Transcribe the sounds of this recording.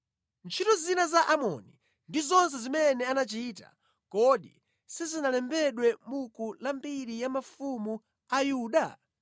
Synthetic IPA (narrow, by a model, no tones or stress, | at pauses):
nt͡ʃʰitɔzinazaʔamɔ̰ni | ndizɔns̬ɛzimɛnɛanat͡ʃiːta̰ | kɔɗḭ | sizinalɛmbɛɗwɛmukulambiɾijamafumu | ajuːɗa